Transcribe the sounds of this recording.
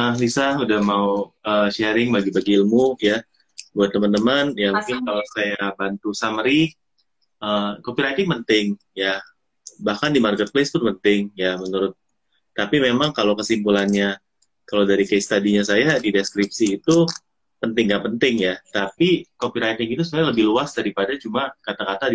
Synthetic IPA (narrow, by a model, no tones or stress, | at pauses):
əlisahudahmauəːʃɛɾɪŋbaɡibaɡiilmuja | buat̪ːəmənt̪əmənjamuŋkɪnkalosajabant̪usamɾi | ʔəkopiɾajt̪ɪŋpənt̪ɪŋ | ja | bahkandimarkət̪̚plest̪ʊnpənt̪ɪŋjamənuɾʊt̪̚ː | apimemaŋkalokəsimpulanɲa | kalodaɾikajst̪adiɲasajadideskɾip̚siːt̪u | pənt̪ɪŋɡapənt̪ɪŋjat̪apikopiɾajt̪ɪŋit̪usupajaləbɪhluasdaɾipadat͡ʃumakat̪akat̪ad